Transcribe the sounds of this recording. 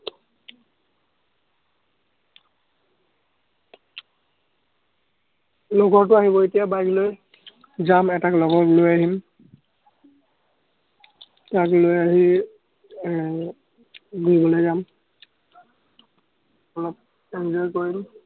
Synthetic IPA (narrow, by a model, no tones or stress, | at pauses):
lɔɡɔt̬ʊaɦibɔetijabajkloj | zamɛtaklɔɡɔklojaɦim | taklojaɦi | ɡuibɔlojzam | ɔlɔp̚ | ɛnzɔjkoɹim